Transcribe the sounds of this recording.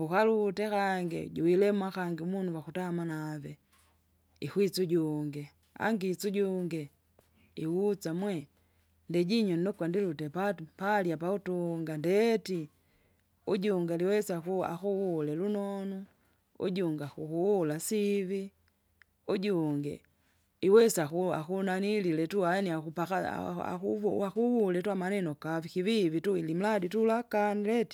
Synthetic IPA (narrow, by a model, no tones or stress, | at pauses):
ukalutɛkaŋɡḭɟuilɛmwakaŋɡiumunuwakutamanavɛ | ixwit͡suɟuŋɡɛ | a̰ŋɡit͡suɟuŋɡɛ | iwut͡samwɛ | ndɛɟiɲɔnnɔkwandilutɛpapaljapautuŋɡandɛti | uɟuŋɡaliwɛsakua̰kuwulɛlunɔnu | ṵɟuŋɡakuhuwulasivi | uɟuŋɡɛ̰ | iwɛsakua̰kunanililɛtuaniakupaka̰a̰kuakuwulɛtuamanɛnɔkavikivivituilim̩laditulakanilɛti̥